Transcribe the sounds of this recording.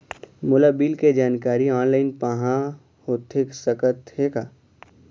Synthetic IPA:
mʊlabiːlked͡ʒaːnkaːɾiɔːnlaːɪnpəɦã | hot̪ʰɪksəkət̪hekaː

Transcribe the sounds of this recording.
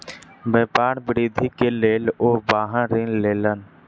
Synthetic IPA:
beːpaːɽbəɾiːd̪ʱikeleːloːbaːɦãɾɪ̃leːlən

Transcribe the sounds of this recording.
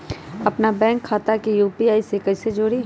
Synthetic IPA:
ɐpnabɛ̃ːŋkʰːaːt̪akijuːpiaːisekɐised͡ʒoːɽi

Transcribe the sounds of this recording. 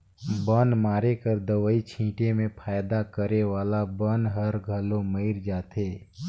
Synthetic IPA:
bənmaːɾekəɾd̪əʋəit͡ʃʰĩːʈemẽpʰaːjd̪akəɾeʋaːlabənɦɐɾɡʱɐlõməɪɾd͡ʒaːt̪eː

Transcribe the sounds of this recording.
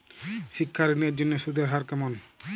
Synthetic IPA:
ʃikʰːaɾeniaɾd͡ʑonːeʃud̪ʱeɾɦaɾkamon

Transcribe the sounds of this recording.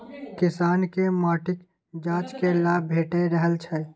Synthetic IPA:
kɪsaːnkemaːʈɪk | d͡ʒãːt͡ʃkelaːbʱeːʈeɾəɦəlt͡ʃʰɛ

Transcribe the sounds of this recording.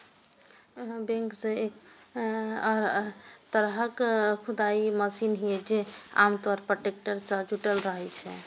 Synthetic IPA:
bẽŋkseek | ɾt̪əɾɦəkkʰud̪aiməsinɦied͡ʒea̰mt̪waɾpɾoʈekʈəɾt͡ʃad͡ʒuʈəlɾəɦɛt͡ʃʰɛ

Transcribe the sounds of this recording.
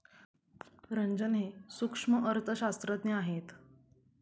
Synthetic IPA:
ɾəɲd͡ʑənɦesukʂməʔəɾt̪ʰəɕast̪ɾəd̪neaɦet̪

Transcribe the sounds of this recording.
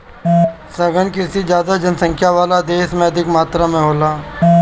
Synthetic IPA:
sɐɡənkɪsid͡ʒjaːd̪ad͡ʒənsə̃ŋkʰjaʋaːlad̪eːsmẽɐd̪ʱɪkmaːt̪ɾamẽɦoːlaː

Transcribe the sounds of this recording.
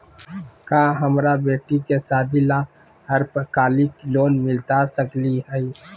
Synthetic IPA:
kaːɦɐmɾabeːʈikesaːd̪ila | ɦɐɾpəkaːlikloːnmɪlt̪asɐkliɦɛ

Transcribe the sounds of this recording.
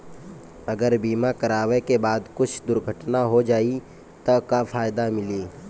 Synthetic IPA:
ɐɡəɾbiːmakɐɾaːʋekebaːd̪kʊt͡ʃʰd̪ʊɾɡʱəʈnaɦod͡ʒaːi | t̪ɐkafaːjd̪amɪliː

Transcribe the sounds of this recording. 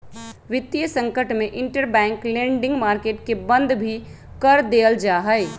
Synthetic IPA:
ʋɪt̪ːjəsə̃ŋkəʈmeʔɪɳʈəɾbɛ̃ːŋklẽɳɖɪ̃ŋɡmaːɾkeːʈkebə̃nd̪ʱbʱi | kəɾd̪eld͡ʒaɦəɪ

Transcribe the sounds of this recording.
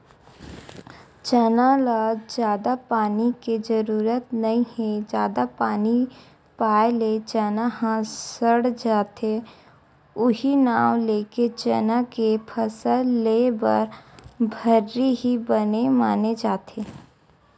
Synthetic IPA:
t͡ʃənalad͡ʒjaːd̪apaːniked͡ʒəɾuːɾət̪nɐĩhɛ̃d͡ʒjaːd̪apaːni | paːɪlet͡ʃənaɦãsəɽd͡ʒaːt̪e | ʊɦinaːwleːket͡ʃənakepʰəsəlːeːbə̰ɾbʱəɾːiɦibənemaːned͡ʒaːt̪ʰeː

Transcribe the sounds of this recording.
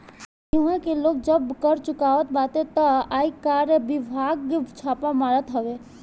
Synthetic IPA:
jɪɦãkeloːɡ̚d͡ʒəbkəɾt͡ʃʊkaːʋət̪̚baːt̪ẽt̪əaːikaːɾəbɪbʱaːɡt͡ʃʰaːpamaːɾət̪ɦəʋe

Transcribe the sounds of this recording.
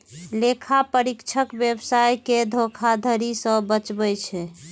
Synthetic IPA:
lekʰapəɾikt͡ʃʰəkbjəbsajked̪ʱokʰad̪ʱəɾisə̃bət͡ʃbɛt͡ʃʰɛ

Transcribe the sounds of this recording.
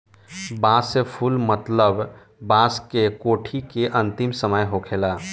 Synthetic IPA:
baːsepʰulmət̪ləb | baːskekoːʈʰikeʔɐ̃nt̪ɪmsəməjɦokʰeːlaː

